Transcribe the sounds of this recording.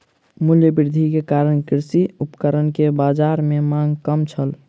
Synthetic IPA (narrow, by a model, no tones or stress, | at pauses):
mʊljəbiɾd̪ʱikekaːɾəɽkɪɾsiupkəɾənkebad͡ʒaɾmẽmãŋɡkəmt͡ʃʰəl